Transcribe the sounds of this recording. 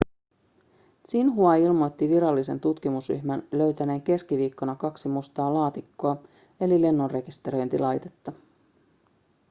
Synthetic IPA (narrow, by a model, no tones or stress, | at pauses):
sinɦuɑilmo̞jt̪ːiʋiɾɑlːise̞nt̪ut̪k̟imusry̰çmænlø̞ɥt̪æne̞ːŋke̞skiʋiːkːo̞nɑkɑksimust̪ɑːlɑːt̪ikːoɑ | e̞lile̞nːo̞nre̞kist̪e̞ɾo̞jnt̪ḭlɑjt̪e̞t̪ːɑ